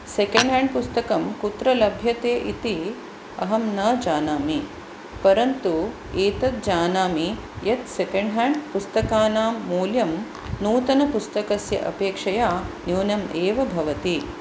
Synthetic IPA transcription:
sekɐɳɖɦaːɳɖpust̪ɐkɐmkut̪ɾɐlɐbʱjɐt̪eːʔit̪i | ɐɦɐmnɐːd͡ʒaːnaːmi | pɐɾɐnt̪u | eːt̪ɐt̪̚d͡ʒaːnaːmi | jɐt̪sekɐɳɖɦaːɳɖpust̪ɐkaːnaːmːuːljɐm | nuːt̪ɐnɐpust̪ɐkɐsjɐ̰ʔɐ̰peːkʂɐjaːnjuːnjɐmeːʋɐbʱɐʋɐt̪i

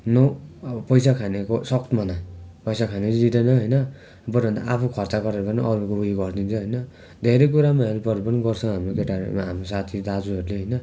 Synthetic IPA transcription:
nopʌjsakʰanekosʌkt̪mʌnapʌjsakʰaned͡zid̪enʌɦʌjnʌ | bʌɾʌnd̪a̰ʔapʰukʰʌrt͡saɡʌɾeɾʌpʌniʔʌɾukoɦujiɡʌrd̪ʱint͡sʰʌɦʌjnʌ | d̪ʱeɾʌjk̬uɾamaɦelpʌɾepʌniɡʌrt͡sʰʌ̃ɦamrokeʈaɾ̰ɦamrosat̪ʰid̪ad͡zuɦʌɾuleɦʌjnʌ

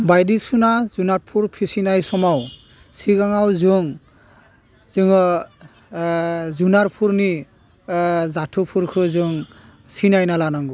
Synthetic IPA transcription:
bajdisunazunaɾpʰuɹpʰisinajsɔmaw | siɡaŋawzɯŋ | zɯŋɔ | zunaɾpʰuɾni | zatʰupʰuɾkʰɯzɯŋ | sinajnalanaŋɡu

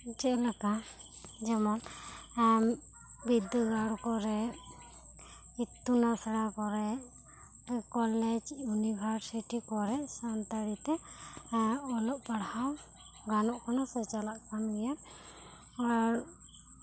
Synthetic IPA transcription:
d͡ʒɛlakad͡ʒɛmɔn | bid̪əɡaɽɔkɔɾɛ | it̪ːunasɽakɔɾɛ | kɔlɛd͡ʒjunibʱaɾsiʈikɔɾɛʔsant̪aɾit̪ɛ | ɔlɔʔpaɽhaw | ɡanɔʔkʰɔnasɔt͡ʃalaʔkanɡɛja | ɔɾ

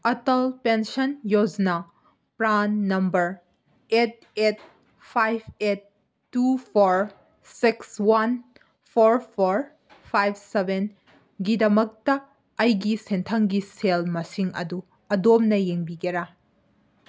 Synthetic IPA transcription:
ɐtɐlpensɐnjod͡ʒna | pɾanːɐmbɐɾ | et̚et̚ | pʰajb̚ʰetː | upʰoɾ | sikswɐn | pʰoɾpʰoɾ | pʰajb̚ʰseben | ɡidɐmɐk̚tɐ | ɐjɡisentʰɐŋɡiselmɐsiŋɐ̰du | ɐdop̚nɐjeŋbiɡeɾa

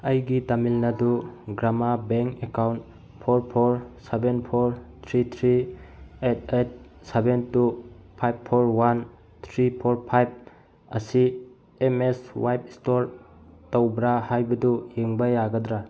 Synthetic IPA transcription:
ɐjɡitamilnɐduɡɾamabeŋkekawnt | pʰoɾpʰoɾsebenpʰoɾt̪ʰɾit̪ʰɾiet̚ʰet̚ | sebentupʰajbpʰːoɾwan | t̪ʰɾipʰoɾpʰajb̚ | ɐ̰si | emeswajpistoɾtowbɾahajbɐdujeŋbajaɡɐdɾa

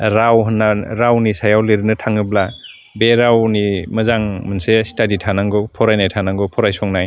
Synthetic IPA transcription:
ɾawɦɯnːaɾawnisajawliɾɯnɯtʰaŋɯbla | beɾawnimɐzaŋmɯnsestaditʰanaŋɡɔpʰɔɾajnajtʰanaŋɡɔpʰɔɾajsɔŋnaj

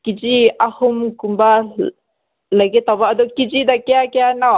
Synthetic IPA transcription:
kid͡ʒiahumkumba | laɡet̪abaʔad̪okid͡ʒid̪akeakeanaw

